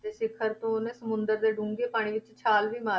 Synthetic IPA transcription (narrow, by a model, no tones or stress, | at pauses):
t̪eːsɪkʰəɾt̪õːnẽːsəmʊ̃nd̪əɾd̪eːɖũːŋɡeːpaːɽ̃iːʋɪt͡ʃt͡ʃʰaːlʋiːmaːɾ